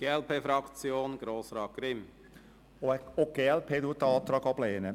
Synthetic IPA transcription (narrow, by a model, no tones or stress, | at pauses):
ɡ̥eːɛlpʰeːfɾɑkt͡sjoːnɡ̥ɾoːsɾɑːt̚ɡ̥ɾɪm | ooɡ̥eːɛlpʰeːd̪uːət̪ːəɑːt̪ɾɑːɡɑbleːnə